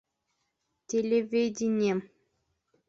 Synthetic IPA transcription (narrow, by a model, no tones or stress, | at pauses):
tʲelʲevʲedʲinʲem